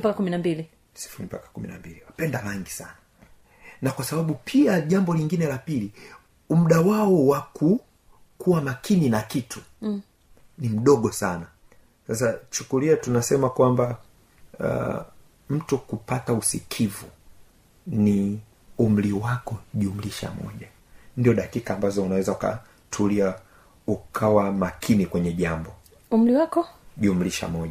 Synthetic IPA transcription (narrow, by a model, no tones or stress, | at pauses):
pakakuminambili | si̥fuɾipa̰kḁkumḭna̰mbiliwapɛndaɾaŋɡisana | nakwasaɓaɓupʰiaʄambɔliŋɡinɛlapili | um̩ɗawaɔwaku | kʰuwamakʰininakitʰu̥ | nim̩ɗɔɠɔsana | sas̬at͡ʃukuliatunasɛmakwamba̰ | m̩tukupatausikʰivu | ni | um̩liwakɔʄium̩liʃa̰mɔ̰ʄa | ndiɔɗakikaːmbazɔunawɛzauka̰ | tʰulia | ukʰawamakʰinikwɛɲɛʄambɔ | um̩liwakɔʄium̩liʃa̰mɔʄa